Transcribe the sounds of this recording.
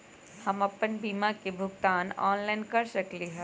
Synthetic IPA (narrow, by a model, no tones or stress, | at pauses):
hɐmɐpənbiːmakebʱʊɡt̪aːnɔːnlaːɪnkɐɾʃɐkliɦɛː